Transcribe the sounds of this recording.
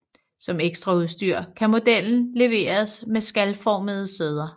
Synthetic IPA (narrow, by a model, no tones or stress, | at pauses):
sɒ̽meɡ̥sd̥ʁɑ̈uðˠsd̥yɐ̰kʰæmo̝d̥el̰n̩le̝ʋe̝̰ːɐsmesɡ̥ælfɒːməð̞̩ˠəseð̞ˠɐ